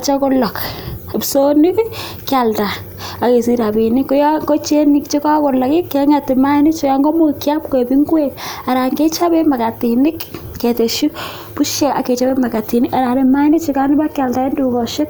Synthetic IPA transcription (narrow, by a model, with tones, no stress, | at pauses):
t͡ʃa˦ko˦lɔ˨kpso˦ni˦k | kja˨lta˨ | a˨ke˨si˦ɾa˨bi˨ni˦kːo˦ja˦ŋɡɔ˦t͡ʃe˦ni˨kt͡ʃi˦ka˦ko˨lɔ˨ki˦ke˨ŋa˨ti˨ma˦i˦ni˦t͡ʃɔ˦ja˨ŋɡɔ˦mo˦kja˦p̚ko˨bi˦ŋɡwe˦ka˨ɾa˨ŋɡe˦t͡ʃa˦be˦ma˨ka˨ti˨ni˦kː | e˨te˨ʃu˦ | pu˦ʃe˦a̰˨ke˨t͡ʃa˦be˦ma˨ka˨ti˨ni˦a˨ɾa˨ne˨ma˦i˦ni˦t͡ʃi˨ka˦ni˦ba˦kja˨lta˨e˦ndu˦kɔ˨ʃe˦k